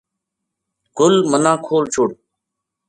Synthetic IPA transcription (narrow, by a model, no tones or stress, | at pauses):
ɡʊlmənãːkʰoːlt͡ʃʰʊɽ